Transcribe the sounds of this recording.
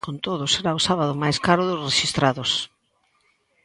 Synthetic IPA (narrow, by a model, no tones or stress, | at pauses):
kont̪oðʊseɾaʊsaβaðʊmajskaɾʊðʊsreʃist̪ɾaðʊs